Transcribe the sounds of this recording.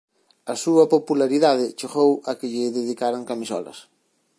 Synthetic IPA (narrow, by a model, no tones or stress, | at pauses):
ɐsuɐpopulaɾiðaðɪt͡ʃeɣowɐkɪʎɪðeðikaɾaŋkamisɔ̰lɐ̰s